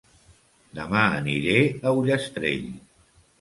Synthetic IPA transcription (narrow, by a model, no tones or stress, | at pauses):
d̪əmaəniɾeəwʎəst̪ɾḛʎ